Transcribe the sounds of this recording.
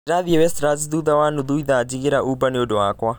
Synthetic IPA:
ɾaðiɛwɛst̪ɾaziðuðawanuðuiðad͡ʒiɡeɾaʔubaneodɔakwa

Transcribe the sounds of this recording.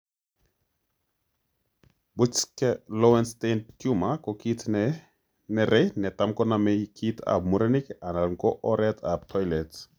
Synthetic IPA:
but͡ʃkɛlɔwɛnstentkjumakɔkit | nɛɾʔɛnɛtamkɔnamɛkʰitʰa̰b̚muɾenikanalŋkɔʔɔɾɛtab̚tʰɔjlɛt

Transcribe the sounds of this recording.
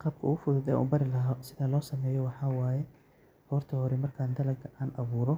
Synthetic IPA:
qɑːb̚kʰɐuːʊfʊðʊðɛ̰ːʔṵːbɐɾɪlɐɦɔsɪðɐlɔːsɐmɛːjɔwɑħɑːwaːjɛ | hɔːrt̪ʰɐhɔɾɛmɐrkʰaːnd̪ɐlɐɡɐʔaːnʔɐβuːɾɔ

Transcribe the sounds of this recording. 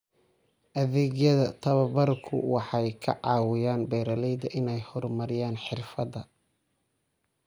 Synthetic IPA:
ʔɐðɛːɣjɐðɐt̪ʰɐβɐbɐrkʰʊ̰wɑħɑjkʰɐ̰ʕɑːwɪjaːnbɛːɾɐlɛjd̪ɐʔɪnɛjhɔrmɐɾɪjaːnħɪrfɐdɐ

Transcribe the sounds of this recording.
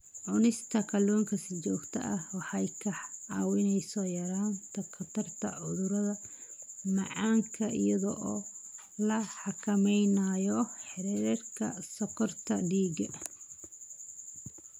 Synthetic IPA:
ʕʊnɪst̪ʰɐkʰɐlɔːŋkʰɐsɪt͡ʃɔːɡt̪ʰɐ̰ʔɐhwɑħɑjkʰɐħʕɑːwɪnɛjsɔjɐɾaːnt̪ʰɐkʰɐt̪ʰɐrt̪ʰɐ̰ʕʊðʊɾɐðɐ | mɑʕɑːŋkʰɐʔḭjɐðɔʔɔː | lɐħɑkʰɐmɛjnajɔħɪɾɛɾrkʰɐ̰sɐqɔrt̪ʰɐɖiːɡɐ

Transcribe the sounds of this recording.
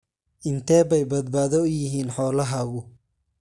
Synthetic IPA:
ʔɪnt̪ʰɛːbɛjbɐd̪baːðɔʊjɪɦiːnħɔːlɐɦɐːɣʊ

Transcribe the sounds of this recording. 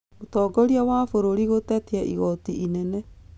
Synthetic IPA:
motɔːɡɔɾiawafoɾoɾiɣotɛtiɛʔḭɣɔtiʔinɛnɛ

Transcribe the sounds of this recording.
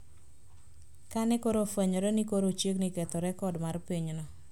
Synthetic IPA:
kanɛkoɾofaɲɔɾɛnikoɾot͡ʃjeknikɛt̪ɔɾɛkɔdmarpiɲnɔ

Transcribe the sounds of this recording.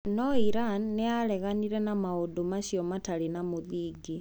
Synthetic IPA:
nɔiɾanːeaɾɛɣaniɾɛnamaodomaɕjɔmataɾenamoðiːɡi

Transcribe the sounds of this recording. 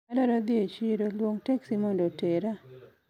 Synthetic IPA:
ɛlɔɾɔd̪ɪet͡ʃiɾolwoŋteksimondoteɾa

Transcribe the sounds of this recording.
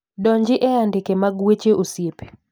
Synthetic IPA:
dɔɲd͡ʒɪʔɛandɪkemaɡwet͡ʃeʔosjepe̥

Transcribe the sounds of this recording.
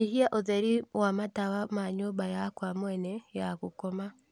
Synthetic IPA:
ihiaʔozeɾiwamataβamaɲobajakwamwenejakukoma

